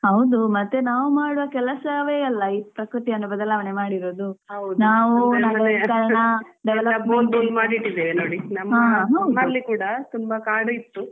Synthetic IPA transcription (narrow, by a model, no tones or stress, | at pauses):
hɐwd̪umɐt̪ːenaːʋumaːɽuʋɐkɛlɐsɐʋeɐlːɐipɾɐkɾut̪iɐnːubɐd̪ɐlaːʋɐne̞maːɽiɾo̞ːd̪uɦɐwd̪naːʋunɐŋɡɐkɐɭnɐ | ɖɛʋɛlɐɐbmoːbuːmaːɽiʈːid̪eʋenoːɽinɐmːɦaɐːɦɐwdɐlːikuːɽɐt̪umbɐkaːɽuit̪ːu